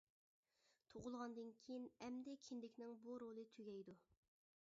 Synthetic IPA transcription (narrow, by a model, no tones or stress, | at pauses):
t̪ʰoʁʊlˠʁɑnd̪ɨnkʲʰijinɛmd̪ɛkʲʰind̪ɪkʲnɪŋbuɾolˠɨt̪ʰyɡʲɛjd̪u